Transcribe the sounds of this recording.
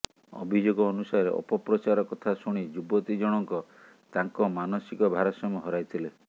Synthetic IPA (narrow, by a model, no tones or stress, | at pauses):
ɔ̰bʱid͡ʒoɡɔːnusaɔɾḛʔɔ̰pɔpɾɔt͡ʃaɾɔkɔt̪ʰasuɽ̃id͡ʒubɔt̪id͡ʒɔɽ̃ɔŋkɔ | t̪aŋkɔmanɔsikɔbʱaɾɔsɔmɔɦɔɾajt̪ʰile